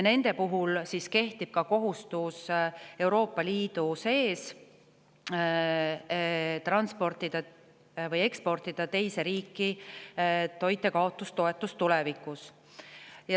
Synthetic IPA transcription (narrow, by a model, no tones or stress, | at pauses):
ne̞nd̪̥e̞puɦulsiske̞ht̪ib̥̚kɑko̞ɦust̪use̞wɾo̞ːpˑːɑliːd̪̥use̞ːs | t̪ɾɑnspo̞rt̪id̪̥ɑ | vɤje̞kspo̞rt̪id̪̥ɑt̪e̞jse̞ɾiːkːˑi | t̪o̞jt̪ːˑe̞kɑo̞t̪ːˑust̪o̞e̞t̪ːˑust̪ulɛvikːˑus | jɑ